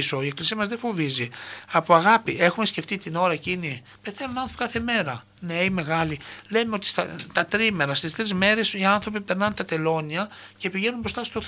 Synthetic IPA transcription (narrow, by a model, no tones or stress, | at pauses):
so̞ie̞klisiɐmɐzðefo̞viziɐpoɐɣɐpiʔe̞xume̞sce̞ft̪it̪ino̞ɾɐecini | pe̞θe̞nunɐnθopikɐθe̞me̞ɾɐ | neime̞ɣɐlile̞meo̞t̪i̥st̪ɐ̰t̪ɐt̪ɾimeɾɐst̪ist̪ɾizme̞ɾe̞siɐnθɾo̞pipe̞ɾnɐnt̪ɐt̪e̞lo̞niɐce̞piʝe̞numbɾost̪ɐst̪o